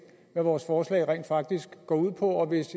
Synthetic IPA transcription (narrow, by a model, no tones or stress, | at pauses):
ʋæʋɒːsfɒːslɛ̰ɪʁɛ̰nd̥fɑ̈ɡ̥̚d̥isɡ̥ɡ̥ɒ̰ːuð̞̰ˠpʰɒ̽ɒ̽ʋe̝s